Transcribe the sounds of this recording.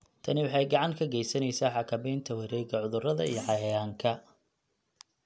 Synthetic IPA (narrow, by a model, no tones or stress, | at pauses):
t̪ʰɐnɪwɑħɑjɡɑʕɑŋkʰɐɡɛjsɐnɛjsaːħɑkʰɐβɛjnt̪ʰɐwɪɾɛjɡɐʕʊðʊrɐðɐḭjɔħɑjɐjaːŋkʰɐ